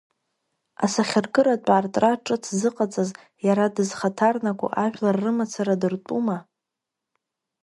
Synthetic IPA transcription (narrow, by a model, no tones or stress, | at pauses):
a̰saχʲarɡɨɾatʷʼaːrtʼraʈ͡ʂʼɨtʰzɨqʼat͡sʼaz | jaɾadɨzχatʰarnakʷʼṵʔaʒᶣlarːɨmat͡sʰaɾadɨrtʼuma